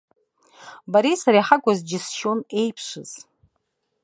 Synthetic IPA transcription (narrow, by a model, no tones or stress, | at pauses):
baɾisaɾiħaɡʷazd͡ʒɪsʃone̞jpʰʂɨz̥